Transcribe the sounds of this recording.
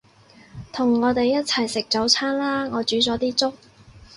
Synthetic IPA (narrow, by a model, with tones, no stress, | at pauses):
t̪ʰʊ˨˩ŋːɔː˨˧t̪e˨jːɐ˥t̚t͡sʰɐ˨˩jsɪ˨k̚t͡so˨˥wt͡sʰaː˥nlaː˥ŋɔː˨˧t͡ʃyː˨˥t͡sɔː˨˥t̪iː˥t͡sʊ˥k̚